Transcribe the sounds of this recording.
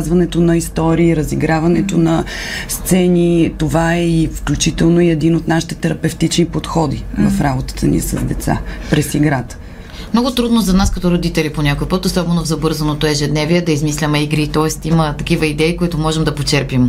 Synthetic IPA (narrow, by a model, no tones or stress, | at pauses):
zvɐnɛt̪onɐist̪ɔɾiːɾəziɡɾavɐnɛt̪onɐ | st̪sɛnit̪ovaɛifklʲut͡ʃit̪ɛlˠnoiɛd̪inot̪naʃi̥t̪ɛ̥t̪ɛɾɐpɛft̪it͡ʃnipot̪xɔd̪ivɐfɾabot̪ə̥t̪ənḭɛsɐ̰zd̪ɛt̪sa̰pɾɛsiɡɾat̪ə̥ | mnɔɡʊt̪ɾud̪nozɐnaskɐt̪ɔɾod̪it̪ɛliponʲakojpɤt̪osɔbɛnovzɐbɤɾzɐnot̪oɛʒɛd̪nɛviɛd̪ɐizmislʲimɛiɡɾit̪ɔɛst̪imət̪ɐkivəid̪ɛikoit̪omɔʒɛmd̪ɐpot͡ʃɛɾpim